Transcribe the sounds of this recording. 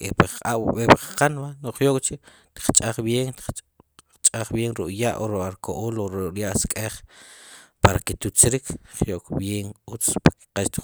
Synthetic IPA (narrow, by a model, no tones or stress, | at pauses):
epaaɓɓepaqqanmanoχjoʔkʼt͡ʃi | t̪i̥q͡χt͡ʃʼaχbjeːŋt̪ | t͡ʃʼaχbjeːŋɾuʔjaʔoɾuʔaɾkʰoʔoːloɾuʔɾjaʔskʼeχ | paɾakit̪ut͡sɾikʰχjoʔkʼbjeːŋut͡spaki̥qaʃt̪i̥